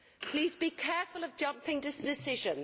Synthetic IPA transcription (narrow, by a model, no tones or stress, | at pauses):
pʰl̥iːzbikʰɛfələvd͡ʒʌ̃mpɪ̃ŋdɪsd̥ɪsɪʒə̃n